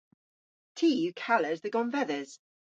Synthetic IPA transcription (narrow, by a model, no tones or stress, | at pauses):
tʰiːjʉkʰaləzðəɡɒ̃nvɛðəz̥